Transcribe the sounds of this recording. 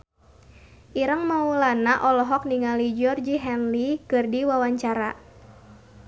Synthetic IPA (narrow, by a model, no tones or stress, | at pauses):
ʔiɾəŋmaulanaʔɔlɔɦɔk̚niŋalid͡ʒɔrd͡ʒiɦɛnlikɨrdiwawaɲt͡ʃaɾa